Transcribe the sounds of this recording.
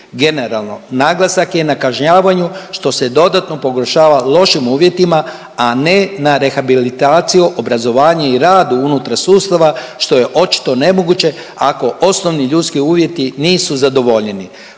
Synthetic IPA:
ɡe̞neɾalˠno̞naɡlasakje̞nakaʒɲaːʋaɲuʃt̪o̞sed̪o̞d̪at̪no̞po̞ɡo̞rʃaːʋalo̞ʃimuːʋje̞t̪ima | ane̞naɾe̞xabilit̪aːt̪sijuʔobɾazo̞ʋaːɲaiɾaːd̪uunut̪ɾasuːst̪aʋaʃt̪o̞je̞ʔo̞t͡ʃi̥t̪o̞ne̞mo̞ɡut͡ɕe̞ | ako̞ʔo̞snoʋniʎut̪skiuːʋje̞t̪iniːsuzad̪o̞ʋo̞ʎɲeni

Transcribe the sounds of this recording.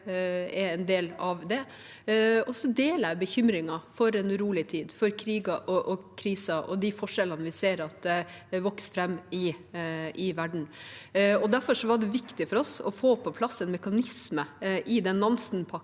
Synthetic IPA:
ɛɛnd̪eːlɑʋd̪ɛ | ɔsɔd̪eːləbəçʏmɾɪŋɑfɔɾɛnɾuːlɪt̪ʰiːd̪fɔɾkʰɾiːɡɑʔɔʔɔkʰɾiːsɑʔɔd̪ɪfɔʂɛlənʋɪseːɾɑt̪ʋɔksfɾɛmːɪ | ɪʋæɖɳ̩ | ɔd̪æɾfɔʂɔʋɑɖɛʋɪkt̪ɪfɔɾɔsɔfoːpʰɔpʰlɑsːɛnmɛkɑnɪsməʔɪd̪ɛnːɑnsnpʰɑ

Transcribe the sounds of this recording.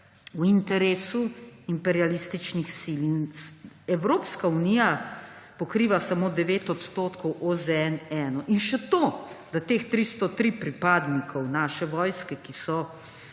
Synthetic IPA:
wint̪ɛɾeːsuimpɛɾijalist̪it͡ʃnixsilin | ɛwɾoːpskaunijapɔkɾiːʋasamod̪ɛʋeːt̪ɔt̪st̪oːt̪kɔwʔozɛɛnɛːnɔʔinʃɛt̪oːd̪at̪eːxt̪ɾist̪ɔt̪ɾipɾipaːd̪nikʰɔwnaːʃɛʋɔːjskɛkisɔ

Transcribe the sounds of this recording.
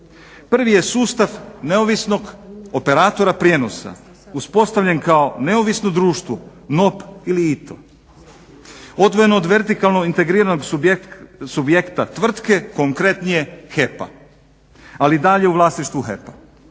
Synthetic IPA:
pr̩ʋije̞suːst̪aʋne̞oʋisno̞ɡope̞ɾaːt̪o̞ɾapɾje̞ːno̞sa̰ | uspo̞st̪aʋʎe̞nkao̞ne̞oʋisnod̪ɾuːʃt̪ʋo | no̞piliit̪ʰo̰ | o̞d̪ʋo̞je̞nood̪ʋe̞ɾt̪ikalˠnoint̪e̞ɡɾiːɾano̞ɡ | subje̞kt̪at̪ʋr̩t̪ke̞ko̞ŋkɾe̞t̪nije̞xe̞pa̰ | alid̪aʎe̞uʋlˠaːsniʃt̪ʋuxḛpa

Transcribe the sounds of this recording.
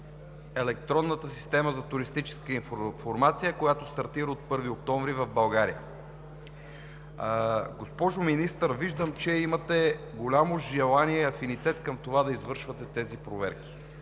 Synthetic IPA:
ɛlɛk̚t̪ɾɔnːət̪əsi̥st̪ɛməzɐt̪uɾist̪it͡ʃɛ̥skəiffoɾmat̪sijəkojat̪ost̪ɐɾt̪iɾəot̪̚pɤɾviok̚t̪ɔɱvɾivɐvbɐlˠɡaɾijə̰ | ɡospɔʒominist̪əɾviʒd̪əmt͡ʃɛimɐt̪ɛɡolʲamoʒɛlˠaniɛiɐfinit̪ɛt̪kɐmt̪ovad̪ɐizvɤɾʃvɐt̪ɛt̪ɛzipɾovɛ̰ɾkʲi̥

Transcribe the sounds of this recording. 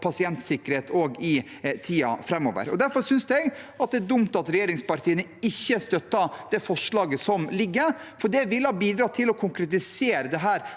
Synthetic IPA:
pʰɑsɪɛnt̪sɪkːəɾheːt̪ʰoɡɪ | t̪ʰiːɑ̰fɾɛmːo̰ːʋə̰ɾɔ̰d̪æɾfɔɾsʏnsd̪ɛɡɑt̪̚d̪ɛæd̪ʊmt̪ɑt̪ɾɛjeːɾɪŋspɑɾʈ̪ʰiːənəɪçːəst̪œt̪ːɑd̪̥ɛfɔʂɭɑːɡəsɔmlɪɡːəfɔɖɛʋɪlːəhɑːbiːd̪ɾɑːt̪ʰɪlɔkʰʊŋkɾɛt̪ɪseːɾəd̪ɛɦæːɾ

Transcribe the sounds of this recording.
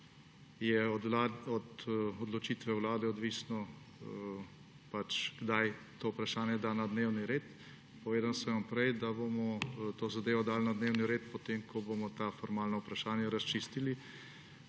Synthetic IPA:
jɛaɔd̪ɔd̪lɔt͡ʃiːt̪ʋɛwlaːd̪ɛɔd̪ʋiːsnɔ | pat͡ʃɡ̥d̪ajt̪oːupɾaʃaːnjɛd̪aːnad̪neːwniɾeːt̪ | pɔʋeːd̪ansɛ̃ʋɐmpɾɛjd̪abomɔt̪oːzad̪eːʋɔd̪aːlnad̪neːwniɾeːt̪pɔt̪emkʰɔbomɔt̪aːfɔɾmaːlnɔupɾaʃaːnjɛɾast͡ʃist̪ili

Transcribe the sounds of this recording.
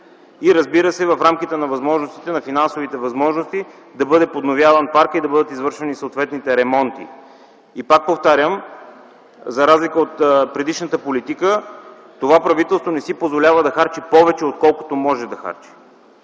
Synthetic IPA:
iɾɐzbiɾəsɛvɐfɾamkʲit̪ɛnɐvɐzmɔʒnost̪i̥t̪ɛnɐfinansovit̪ɛvɐzmɔʒnost̪i | d̪ɐbɤd̪ɛpod̪novʲjavənpaɾkid̪ɐbɤd̪ət̪izvɤɾʃɛnisoːt̪vɛt̪nit̪ɛɾɛmɔnt̪ḭ | ipak̚poft̪aɾʲjəm | zɐɾazlikəot̪pɾɛd̪iʃnət̪əpolit̪ikə | t̪ovapɾɐvit̪ɛlˠst̪vonɛsipozvolʲavəd̪ɐxaɾt͡ʃipɔvɛt͡ʃɛot̪̚kɔlˠko̥t̪omɔʒɛd̪ɐxa̰ɾt͡ʃi̥

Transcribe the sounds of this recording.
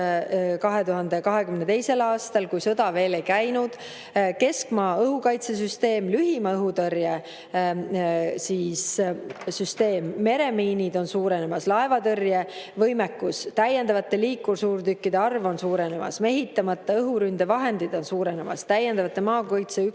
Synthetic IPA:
kɑɦe̞t̪uɦɑnd̪e̞kɑɦe̞kymnet̪e̞jse̞lɑːst̪ɑlkujsɤd̪̥ɑve̞ːle̞jkæjnud̪̥ | ke̞skmɑːɤɦukɑjt̪ses̬yst̪e̞ːmlyɦimɑɤɦut̪ɤrje | siːssyst̪e̞ːmːe̞ɾe̞miːnid̪o̞nsuːɾe̞nemɑslɑe̞vɑt̪ɤrjevɤjmekːust̪æje̞nd̪ɑvɑt̪ːˑe̞liːkːˑursuːrt̪ykːid̪e̞ɑrvo̞nsuːɾene̞mɑ̰sme̞ɦit̪ˑːɑmɑt̪ːɑɤɦuɾynd̪e̞vɑɦe̞nd̪̥id̪̥o̞nsuːɾe̞nemɑ̰st̪æjend̪̥ɑvɑt̪ːˑe̞mɑːkɑjt̪sey

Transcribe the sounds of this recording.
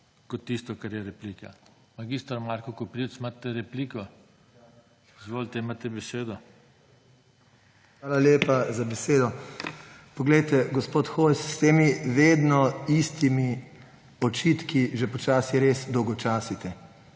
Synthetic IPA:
kɔt̪ːist̪ɔkaɾjɛɾɛpliːka̰ | maɡist̪aɾmaɾkɔkɔpɾiwt̪smat̪ɛɾɛpliːkɔ | izʋolt̪ɛmat̪ɛbɛseːd̪ɔ | xʋaːlaljeːpazabɛseːd̪ɔ | pɔɡlɛjt̪ɛɡɔspoːt̪xojsːt̪eːmiʋeːd̪nɔist̪imi | ɔt͡ʃit̪kiʒɛpɔt͡ʃaːsiɾeːsd̪ɔwɡɔt͡ʃaːsit̪ɛ

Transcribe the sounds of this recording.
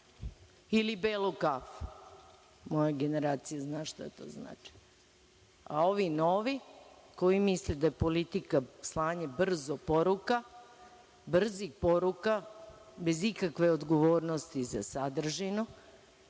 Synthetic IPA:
ilibeːlokaf | mo̞jaɡe̞ne̞ɾaːt̪sijaznaːʃt̪a̰t̪o̰zna̰ːt͡ʃi̥ | a̰o̞ʋinoʋiko̞jimisled̪ajepolit̪ikaslˠaːɲebr̩zopoɾuka | br̩zixpoɾukabe̞zikakʋe̞od̪ɡo̞ʋoːɾnost̪iza̰sad̪r̩ʒino

